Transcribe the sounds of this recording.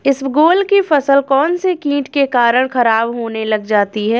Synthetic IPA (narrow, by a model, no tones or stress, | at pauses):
ɪsɡoːlkifɐsəlkɔːnsekĩːʈkekaːɾəɽ̃xɐɾaːbɦoːnelɐɡd͡ʒaːt̪iɦɛː